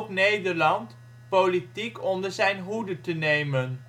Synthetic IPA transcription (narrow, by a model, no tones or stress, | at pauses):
pnejdəɹlɑnt | politikɔndəɹzɛjnɦudətənejmən